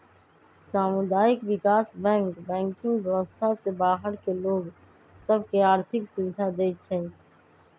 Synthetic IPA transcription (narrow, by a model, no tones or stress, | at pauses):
saːmʊd̪aːɪkʋɪkaːsbɛ̃ːŋkbɛ̃ːŋkɪ̃ŋɡʋjɛʋəst̪ʰasebaːɦəɽkeloːɡ | səb̚keaːɾt̪ʰɪksʊʋɪd̪ʱad̪eːt͡ʃʰɛ̃ː